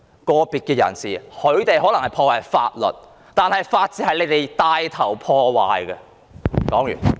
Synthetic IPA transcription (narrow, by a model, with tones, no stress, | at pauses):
kɔː˧piː˨t̚kɛː˧jɐ̰˨˩nsiː˨hɵ˨˧ɥt̪e˨jɦɔː˨˥lɐ˨˩ŋhɐ˨jpʰɔː˧waː˨˧jfa̰ː˧t̚lɵ̰˨t̚ | t̪aː˨nhɐ˨jfaː˧t̚t͡siː˨hɐ˨jle˨˧˥t̪e˨jt̪aː˧jt̪ʰɐ˨˩wpʰɔː˧waː˨jɡɛ˧ | kɔː˨˥ŋjy̰ː˨˩n